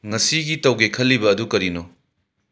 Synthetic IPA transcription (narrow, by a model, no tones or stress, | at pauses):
ŋɐsiɡitɐwɡekʰɐlːibɐːdukɐɾino